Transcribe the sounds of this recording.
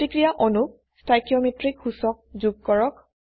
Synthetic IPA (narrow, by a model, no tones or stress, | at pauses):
ikɹijaʔɔnuk̚ | stajkiɔmetɹikhusɔk̚zuɡ̚kɔɹɔk̚